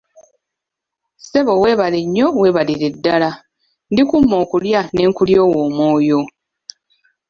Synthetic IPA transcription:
se̞βo̞we̞ːβaleɲːo̞we̞ːβaliɾe̞dːala | ndikumːo̞ːkuljane̞ːŋkuljo̞ːwo̞ːmwo̞ːjo

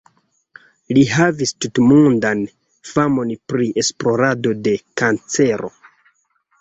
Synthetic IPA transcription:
liɦavistutmundan | famo̞npɾiʔe̞splo̞ɾado̞de̞kant͡se̞ɾo̞̰

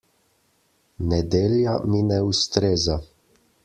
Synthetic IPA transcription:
nɛd̪eːljaminɛust̪ɾeːza

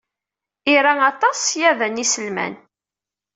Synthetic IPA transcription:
iɾæɑt̪ˤɑsjæðənisəlmæ̰n

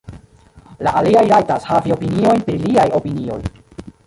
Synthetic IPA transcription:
laʔaliajɾajtashavio̞pinio̞jnpɾiliajo̞pinio̞̰j

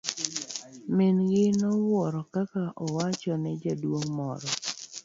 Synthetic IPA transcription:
mɪnɡɪnɔwɔɾɔkakaʔɔwat͡ʃɔnɛd͡ʒadwoŋmɔɾɔ

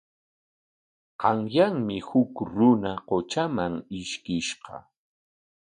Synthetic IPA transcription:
qɑŋjaŋmɪhʊkɾʊnaqot͡ʃamaŋɪʃkɪʃɢɑ̰

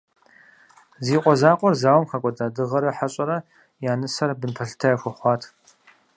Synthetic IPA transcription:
ziːqʷʼɔzaːqʷʼɔrzaːwmχɐkʷʼɔdaːdɨʁɐɾɐħaɕʼɐɾɐ | jaːnɨsɐrbɨnpʰɐɬɨ̥tʰɐjɐxʷɔχʷɑːtʰ

